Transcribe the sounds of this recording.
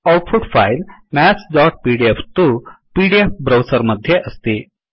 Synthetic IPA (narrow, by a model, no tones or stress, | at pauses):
ɔʈfuɖfajlmæsɖɔʈ̚piɖieft̪upiɖiefbɾɐwsəɾməd̪ʱjeʔəst̪i